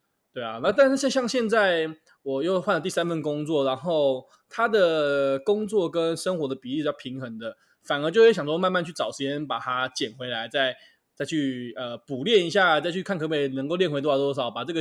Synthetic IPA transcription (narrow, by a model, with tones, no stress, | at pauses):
t̪we˥˩ɪɐ̰˩na˥˩t̪̬a˥˧nʂ̩˥˧ʂ̩˥˧ɕjɑ˥˧ŋɕjɛ˥˧nt͡sa˥˩ɪ | wɔ˨˩jo˥˧ʊxwa˥˩nlə˩t̪i˥˩sa˥˦nfə˥˩nkʊ˥ŋt͡swɔ˥˨˩ɻa˧˦nxo˥˩ʊ | t̪ʰa˥d̪ə˨˩kʊ˥ŋt͡swɔ˥˨kə˦˥nʂə˥ŋxwɔ˧˥d̪ə˨pi˨li˥˩ʂjʰi˧˥ŋxə˧˦ŋd̪ə˨ | fa˨˩nə˧˥t͡ɕjo˥˧jɕ̬ɑ˨ŋswɔ˥m˥˧nma˥˧nt͡ɕʰy˥˩ʈ͡ʂɑ˨˩ʊʂɻ̩˧˥t͡ɕjɛ˥npa˨˩t̪ʰa˥t͡ɕjɛ˨˩nxwe˧˥ɪla˧˦ɪt͡sa˥˧ɪ | t͡sa˥˧ɪt͡ɕʰy˥˩ə˩pu˨˩ljɛ˥˨ni˧˥ɕ̬ja˥˨t͡sa˥˧ɪt͡ɕʰy˥˩kʰa˥˩nkʰɤ˧˥pe˧˩ɪnə˧˥ŋk̬o˥˧ʊljnwe˧˥t̪wt̪ɔ˥˩sɑ˨˩ʊ˩pa˨˩ʈ͡ʂɤ˥˩ɡə˨